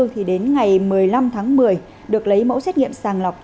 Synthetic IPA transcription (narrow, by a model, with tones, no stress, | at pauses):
t̪ʰi˨˩ɗe˨˦nŋa˨˩jmɨ˨˩əjla˧mt̪ʰaː˨˦ŋmɨ˨˩əj | ɗɨ˨˩ək̚lə˨˦jmo̰˧˥sɛ˦˥t̚ŋḭ˧˨əmsaː˨˩ŋla˨˩wk͡p̚